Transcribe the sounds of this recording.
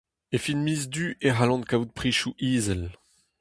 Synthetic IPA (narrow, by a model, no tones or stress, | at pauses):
efinmiːzd̪yʔeʁalɑ̃nkaut̪̚pχiʃuʔiːzɛl